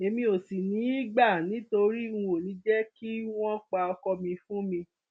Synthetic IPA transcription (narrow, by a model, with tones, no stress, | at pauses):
e˧mĩ˧o˨si˨nĩ˨˦i˦ɡ͡ba˦˨nĩ˨˦to˧ɾi˦ũ˧o˨nĩ˨˦d͡ʒɛ˦ki˦w̃ɔ̃˦k͡pa˧ɔ˧kɔ˧mĩ˧fũ˦mĩ˧